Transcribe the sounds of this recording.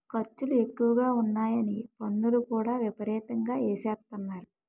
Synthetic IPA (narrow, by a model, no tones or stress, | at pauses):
kɐt͡ʃːulue̞kːuʋɐɡaːunːaːjɐnipɐnːulukuːɽaːʋjipɐɾɛːt̪ɐŋɡaːeːsɛːɾt̪ɐnːaːɾu